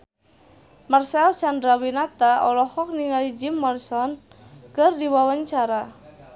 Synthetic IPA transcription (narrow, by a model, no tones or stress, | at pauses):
marsɛlsandɾawinat̪aɔlɔhɔk̚niŋalid͡ʒɪmːɔrsɔn | kɨrdiwawaɲt͡ʃaɾa